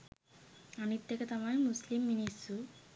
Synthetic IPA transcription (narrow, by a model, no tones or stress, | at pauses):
ɐnit̪jɐkɐt̪ɐmajmuslimːinisu